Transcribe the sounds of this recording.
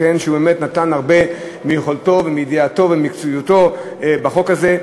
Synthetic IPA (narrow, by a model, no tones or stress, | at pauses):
enʃeubemetnatanaʁbe̞ | mijeχolto̞vemid̪iato̞vemikt͡sujuto̞ | ebaχo̞kaze̞